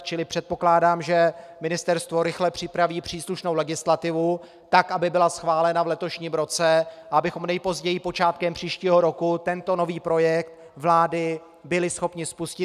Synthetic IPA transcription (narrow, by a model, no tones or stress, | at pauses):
t͡ʃɪlɪpr̝̥ɛt̪̚po̞klaːdaːmʒɛmɪnɪst̪ɛɾst̪vo̞ɾɪxlɛpr̥ɪpɾaviːpr̝̥iːsluʃnowlɛɡɪslat̪ɪvu | t̪akʔabɪbɪlasxvaːlɛnavlɛt̪o̞ʃɲiːmɾo̞t͡sɛʔaabɪxo̞mnɛjpo̞zɟɛjɪpo̞t͡ʃaːt̪kɛmpr̝̥iːʃciːɦo̞ɾo̞kut̪ɛnt̪o̞no̞viːpɾo̞jɛk̚t̪̚ | vlaːdɪ | bɪlɪsxo̞pɲɪspuscɪ